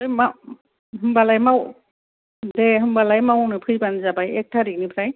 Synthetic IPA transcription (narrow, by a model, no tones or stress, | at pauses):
ɯjma | ɦɯmbalajmaw | deɦɯmbalajmawnɯpʰɯjbanzabajek̚tʰaɾik̚nipʰɾaj